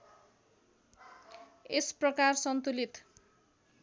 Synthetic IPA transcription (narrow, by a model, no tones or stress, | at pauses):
esprʌkarsʌnt̪ulit̪